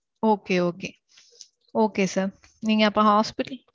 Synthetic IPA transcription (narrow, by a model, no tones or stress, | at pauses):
oːkeːoːkeː | oːkeːsɐɾ | niːŋːɐɐpːõhaːspiʈːɐl